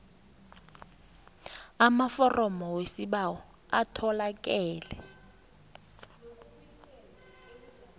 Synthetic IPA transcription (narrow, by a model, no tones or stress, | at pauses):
amafɔrʔɔmɔwesiɓawɔ | atʰɔlakʼɛːlɛ̰